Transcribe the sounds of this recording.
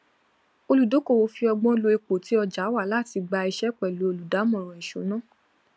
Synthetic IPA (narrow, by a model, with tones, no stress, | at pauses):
o˧lu˨do˨˦ko˦˨wo˨˧˦fi˧ɔ˧ɡ͡bɔ̃˦˧lo˧e˧k͡po˨ti˨˦ɔ˧d͡ʒa˨˦wa˦˨la˦˨ti˧ɡ͡ba˧i˧ʃɛ˦k͡pɛ˨lu˨˦o˧lu˨da˨˦mɔ̃˨ɾ̃ɔ̃˨i˨ʃo˨˦nã˦˨